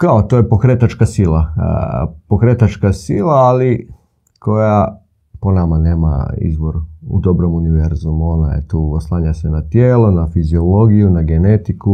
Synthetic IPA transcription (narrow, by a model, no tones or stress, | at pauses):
kaot̪ojepo̞kɾet̪at͡ʃkasilˠa | pokɾet̪at͡ʃkasilˠaːli | kʰo̞ja | po̞namane̞ːma̰ḭzʋoɾṵd̪o̞bɾo̞muniʋeɾzumo̞na̰jḛt̪uːoslˠaːɲasenat̪jeːlonafizio̞lo̞ɡijunaɡe̞net̪iku